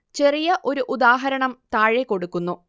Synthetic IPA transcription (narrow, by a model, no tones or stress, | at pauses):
t͡ɕe̞rijɐʔo̞ɾuʔud̪aːɦɐɾɐɳɐmt̪aːɻekːo̞ɽukːunːu